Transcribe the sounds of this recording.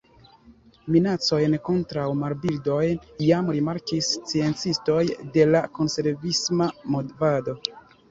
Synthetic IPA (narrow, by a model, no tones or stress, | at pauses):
minat͡so̞jnko̞ntɾawmaɾbildo̞jnjamɾimaɾkist͡sie̞nt͡sisto̞jde̞lako̞nse̞ɾvismamodvado̞